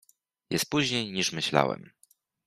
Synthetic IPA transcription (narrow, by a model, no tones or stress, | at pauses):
jɛst̪̚puʑɲejɲiʂmɘɕla̰wɛ̰m